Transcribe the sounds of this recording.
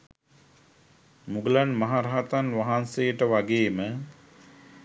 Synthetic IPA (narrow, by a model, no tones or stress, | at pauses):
muɡəlanmaɦaɾaɦat̪anʋaɦansejəʈəʋaɡeːmə